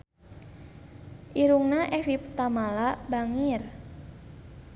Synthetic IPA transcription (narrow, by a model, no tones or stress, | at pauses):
ʔiɾuŋnaʔɛfipt̪amalabaŋir